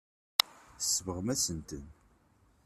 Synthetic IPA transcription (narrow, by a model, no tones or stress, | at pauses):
θəsːəvəʁəmæsənt̪ən